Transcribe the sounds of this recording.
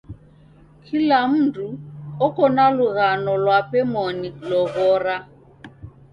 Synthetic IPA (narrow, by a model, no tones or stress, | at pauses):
kʰilam̩duɔkɔnaluɣanɔlwapɛmɔnilɔɣɔːra